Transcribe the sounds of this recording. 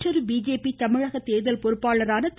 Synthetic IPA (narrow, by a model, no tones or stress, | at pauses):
ʈɐɾbiːd͡ʒeːpit̪ɐmɪɻɐɣɐt̪eːðɐlpɔɾɯpːaːɭɐɾaːnɐt̪